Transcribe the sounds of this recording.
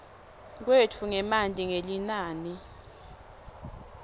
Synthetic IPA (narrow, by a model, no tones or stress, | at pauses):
k̬wetʰuŋɛmantʼiŋelinaːni